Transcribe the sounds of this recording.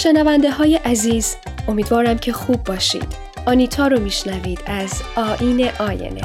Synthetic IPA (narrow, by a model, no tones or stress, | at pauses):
ʃe̞nævænd̪e̞ɦɒːje̞ʔæziːz | o̞miːd̪vɒːɾæmcʰe̞xuːbːɒːʃḭːd̪̥ | ɒːnit̪ʰɒːɾomiːʃnæviːd̪̥æzɒːʔiːne̞ʔɒːjḛnḛ